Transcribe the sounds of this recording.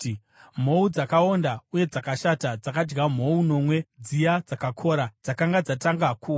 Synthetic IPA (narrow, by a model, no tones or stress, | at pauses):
m̤o̞ud͡zakao̞ndauje̞d͡zakaʃatad͡zakad͡ʒɡam̤o̞uno̞mwe̞d͡zijad͡zakakʰo̞ɾad͡zakaŋɡad͡zataŋɡaku